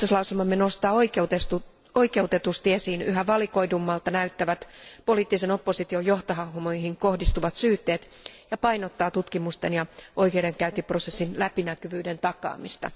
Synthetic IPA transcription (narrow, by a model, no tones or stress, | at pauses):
t̪oslɑuselmɑmːenost̪ɑːoikeut̪est̪u | oikeut̪et̪ust̪iesiːnyɦæʋɑlikoidumːɑlt̪ɑnæyt̪ːæʋæt̪po̞liːt̪ːisenopːosit̪iojo̞ht̪oɦɑuhmojhiŋkohdist̪uʋɑt̪syːt̪ːeːt̪ | jɑpɑjnot̪ːɑːt̪ut̪kimust̪enjɑʔo̞ikeːɾeŋkæyt̪iprosesːinlæpinækyʋyːdent̪ɑkɑ̰ːmist̪ɑ̰